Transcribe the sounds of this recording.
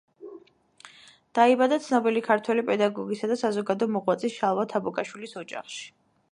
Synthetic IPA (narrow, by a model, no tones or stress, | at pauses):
d̪̥aibad̪at̪sʰnɔbilikʰaɾt̪ʰwɛlipʼɛd̪aɡɔɡisad̪asazɔɡad̪ɔɔmɔʁwat̪sʼisʃalˠvat̪ʰabukʼaʃwilisɔd͡ʒa̰χʃi̥